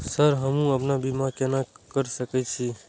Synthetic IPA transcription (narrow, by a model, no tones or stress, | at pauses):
səɾɦəmũəpnabimãkenakəɾsəkɛt͡ʃʰi